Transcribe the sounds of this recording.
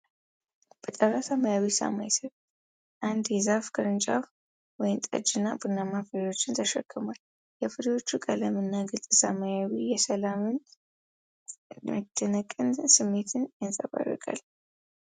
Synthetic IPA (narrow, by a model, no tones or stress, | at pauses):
b̥ət̪ʼəɾasaməjawisa̰majsət | ʔand̪jɛzafkʰəɾɨnt͡ʃʼaf | wɔjɪnt̪ʼə̰d͡ʒɨnːa̰bunamafɨɾjo̞t͡ʃːɪnt̪ʰəʃəkʰːɨmal | jɛfɨɾwo̞t͡ʃːukʼələmɨnːaɡɨlt̪ʼɨsamajawijɛsəlamɨn | mɨt̪ʰːənəkʼɨnsɨmːe̞t̪ʰɨnjansʼəβa̰rːə̰kʼa̰l